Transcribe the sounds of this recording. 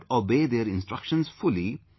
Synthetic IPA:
obeːd̪eɾɪ̃nsʈɾʌkʃə̃nzfʊli

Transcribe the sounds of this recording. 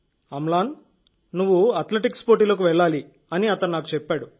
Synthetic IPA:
ɐmlaːn | nuʋːuɐt̪leʈikspoːʈiːloːk̬uʋɛɭːaːli | ɐniɐt̪ɐnnaːku̥t͡ʃɛpːaːɽu

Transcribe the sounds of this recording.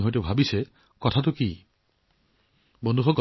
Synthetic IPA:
ɦojtebʱabise | kɔtʰat̬uki | bonduxʰɔɡ

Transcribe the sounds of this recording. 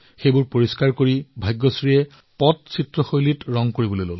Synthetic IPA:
xebuɹpoɹiskaɹkoɹibʱajɡːɔsɹiɛ | pɔt̚sitɹɔxojlitɹɔŋkoɹibolojlol

